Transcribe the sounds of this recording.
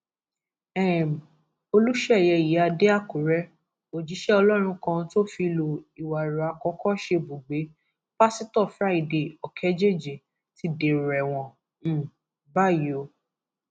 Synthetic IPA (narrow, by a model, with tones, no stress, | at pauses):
ɛ˦˨m̩˨ | o˧lu˦ʃɛ˦˨jɛ˧˨ji˨˦a˧de˦a˦˨ku˨ɾɛ˦ | o˨d͡ʒi˨˦ʃɛ˦ɔ˧lɔ˦ɾ̃ũ˧kã˧to˦˨fi˧lo˨i˨wa˨ɾa˨a˧kɔ˨˦kɔ˦ʃe˧bo˨ɡ͡be˨˦ | pa˦si˦tɔ˦˨fɾa˦i˦˨de˨ɔ˨kʰɛ˨˦d͡ʒe˦˨d͡ʒe˨ | ti˦de˨ɾɛ˨w̃ɔ̃˨˧˦ | ba˦˨jo˨˦